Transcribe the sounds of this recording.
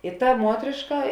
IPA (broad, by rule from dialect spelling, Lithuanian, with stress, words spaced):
ɪ tɐ ˈmuɔtʲrʲeːʃkɐ